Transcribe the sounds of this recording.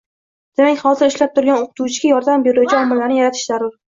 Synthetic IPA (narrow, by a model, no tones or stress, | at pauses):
d̪̥e̞makʲhɒzɪɾɪʃlap̚t̪ʰʊɾɡʲanoqʰʊ̥t̪ʰuwt͡ʃʰɪɡʲajɒɾd̪ambeɾuwt͡ʃʰɪɒmːɪlːaɾnɪjaɾat̪ʰɪ̥ʃzaɾʊɾ